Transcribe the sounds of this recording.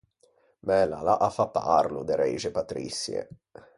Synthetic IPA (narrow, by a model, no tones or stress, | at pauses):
mɛlalaʔafːapːarlud̪eɾḛʒepat̪ɾḭsːjḛ